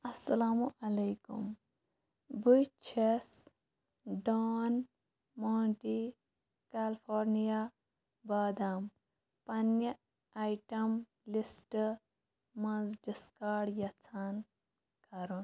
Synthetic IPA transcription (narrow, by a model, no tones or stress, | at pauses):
ɐsːɐlaːmuʔɐlɐjkṵm | bujt͡ʃʰes | ɖoːn | moːɳʈi | kaːlpʰoːɾnija | baːd̪am | pɐnjɐ | ajʈɐm | lisʈ | mɐnzɖiskaːɽjɐt͡sʰan | kɐɾun